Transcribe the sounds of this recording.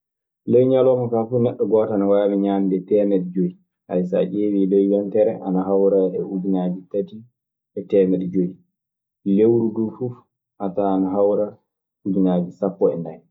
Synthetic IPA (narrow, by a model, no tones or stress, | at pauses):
lejɲalɔmɔkafunɛɗːɔɡɔːtanawaamiɲaːmdɛtɛmɛɗɛd͡ʒoi | ʔa̰jsa̰ʔeːwilejwɛntɛɾɛʔanaɦawɾaɛud͡ʒinad͡ʒitati | ʔɛtɛːmɛɗɛd͡ʒoi | lewɾudufuf | ʔataːnaɦawɾa | ud͡ʒinad͡ʒisapːɔɛ̰ndaj